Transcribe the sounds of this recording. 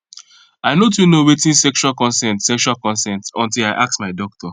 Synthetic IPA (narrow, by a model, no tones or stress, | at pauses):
aɪnot̬junowetĩnsɛkʃualkɔ̃nsɛ̃ntsɛkʃualkɔ̃nsɛ̃ntɔ̃ntilaɪʔak̚smaɪdɔk̚tʰɔ